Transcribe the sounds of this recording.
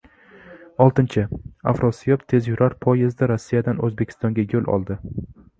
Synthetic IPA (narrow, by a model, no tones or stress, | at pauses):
ɒlˠt̪ɪnt͡ʃʰɪa̰fɾosijopt̪ʰe̞zjʊɾaɾpʰɒjezd̪ɪɾosːijad̪anɵzbe̞kʲʰɪ̥st̪ɒŋɡʲajɵlʔɒ̰lˠd̪ɪ